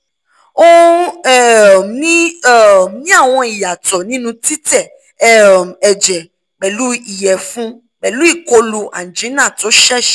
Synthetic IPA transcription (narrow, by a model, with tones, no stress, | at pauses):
o˦ɛ˦˨nĩ˦˨ | nĩ˦a˦˨w̃ɔ̃˧i˨ja˨tɔ˨nĩ˦nũ˧ti˦tɛ˦˨ | ɛ˨d͡ʒɛ˨ | k͡pɛ˨lu˦i˨jɛ˨fũ˦ | k͡pɛ˨lu˨˦i˦˨ko˧lu˧ʔa˨n˨d͡ʒĩ˨˦nã˦˨tɔ˨˦ʃɛ˦ʃ